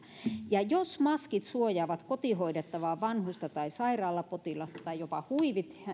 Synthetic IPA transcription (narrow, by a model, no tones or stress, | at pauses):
jɑjosmɑskit̪suojɑːʋɑt̪kot̪ihoidet̪ːɑʋɑːʋɑnhust̪ɑt̪ɑisɑirɑːlːɑpot̪ilɑst̪ɑt̪ɑijopɑhuiʋit̪